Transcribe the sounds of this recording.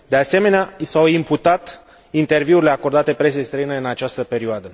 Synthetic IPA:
d̪ease̞me̞neaisawimput̪at̪ | int̪e̞rviuɾile̞ako̞rd̪at̪e̞pɾesijest̪ɾəineɨnat͡ʃast̪əpe̞ɾioad̪ə

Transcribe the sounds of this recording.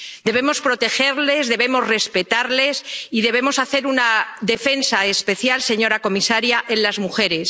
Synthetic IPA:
d̪e̞βemo̞spɾo̞t̪e̞xe̞ɾle̞zðe̞βe̞mo̞zre̞spe̞t̪aɾle̞siðe̞β̞e̞mo̞saθe̞ɾunaðe̞fe̞nsaespe̞θjalse̞ɲo̞ɾako̞misaɾjaʔe̞nlazmuxe̞ɾe̞s

